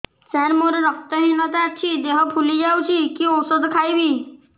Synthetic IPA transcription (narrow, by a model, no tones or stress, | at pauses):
sɛɾmoɾeɾɔk̚t̪ɔɦinɔt̪aat͡ʃʰid̪eɦɔpʰulid͡ʒawt͡ʃʰikiɔwsod̪kʰajbi